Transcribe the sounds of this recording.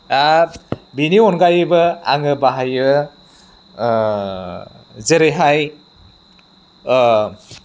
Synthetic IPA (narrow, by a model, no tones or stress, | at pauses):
abiniɔnɡajɯbɯa̰ŋɯbaɦajɯ | zeɾeɦaj